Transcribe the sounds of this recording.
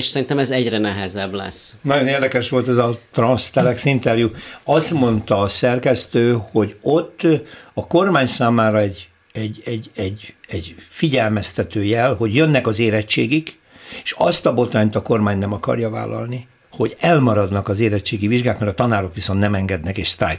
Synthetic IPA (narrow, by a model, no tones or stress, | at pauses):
ʃsɛɾint̪ɛmɛzɛɟrɛnɛɦɛzɛblɛ̰snɒɟo̞neːrd̪ɛkɛʃʋo̞lt̪ɛzɒt̪rɒnst̪ɛlɛksint̪ɛrjuɒst̪mo̞nt̪ɒːsɛrkɛst̪øːho̞ɟot̪ːɒko̞rmaːɲsaːmaːɾɒɛɟ | ɛɟːɛɟɛɟɛɟfiɟɛlmɛst̪ɛt̪øːjɛlho̞ɟjønːɛkɒzeːɾɛt͡ʃːeːɡik | eːʃɒst̪ɒbo̞t̪raːɲt̪ɒko̞rmaːɲnɛmɒkɒ̰rjɒva̰ːlɒ̰lni | ho̞ɟɛlmɒɾɒd̪nɒkɒzeːɾɛt͡ʃːeːɡiviʒɡaːk̪mɛɾɒt̪ɒnaːɾo̞kʋiso̞nt̪nɛmɛŋɡɛd̪nɛkeːʃst̪a̰ːj